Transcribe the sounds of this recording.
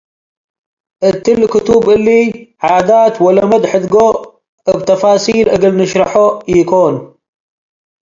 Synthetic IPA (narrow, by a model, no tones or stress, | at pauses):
ʔɨt̪ɨlːkʊt̪ubʔɨlːiʕad̪at̪wɐlɐmɐd̪ħɨd̪ɡo | ɨbt̪ʰɐfaːsilʔɨɡɨlnɨʃɾɐħojɪkʰon